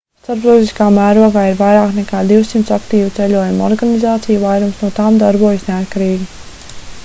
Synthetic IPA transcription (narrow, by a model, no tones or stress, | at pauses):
st̪aɾp̪ɔzʲiskaːmæːɾuɔɡaːiɾvajɾaːknɛkaːd̪iwsimt̪sakt̪iːvut̪sɛlʲuɔjumɔ̰ɾɡanizaːt̪sijuvajɾumsnuɔt̪aːmd̪aɾbuɔjasneat̪kaɾiːɡʲi